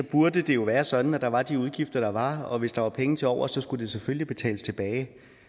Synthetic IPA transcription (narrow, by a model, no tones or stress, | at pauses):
sɒ̽b̥uɐd̥əd̥e̝jo̝ʋæːɐsɒ̽d̥n̩æd̥ɑ̈ʋɑ̈d̥iuð̞ˠɡ̥ifd̥ɐɾ̥ɑ̈ʋɑ̈ɒ̽ʋe̝sd̥ɑ̈ʋɑ̈pʰeŋn̩t͡sʰe̝lɒʊ̰ɐsɒ̽sɡ̥ud̥e̝seføllib̥e̝t͡sʰɛ̰ːləst͡sʰe̝b̥ɛːɪ